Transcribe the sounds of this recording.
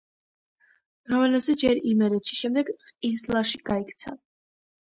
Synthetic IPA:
mɾavɛlazɛd͡ʒɛɾimɛɾɛt̪ʃi̥ʃɛmd̪ɛɡχʼizlˠaʃiɡaikʰt̪sʰa̰

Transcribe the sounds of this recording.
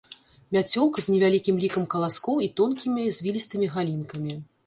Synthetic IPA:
mʲat͡sʲɔlˠkzʲnʲɛvʲalʲikʲimlʲikɐmkɐlˠaskɔwit̪ɔnkʲimʲizʲvʲilʲist̪ɨmʲiɣalʲinkɐmʲi

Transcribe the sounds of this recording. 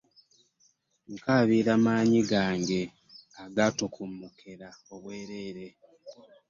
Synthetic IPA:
ŋkaβiːɾamaːɲiɡaːŋɡe̞ | aɡatokʰumːukʰeɾao̞βwe̞ːɾe̞ːɾe̞

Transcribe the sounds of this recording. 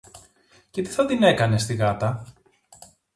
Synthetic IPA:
ce̞t̪i̥θɐt̪ine̞kɐne̞st̪iɣɐt̪ɐ

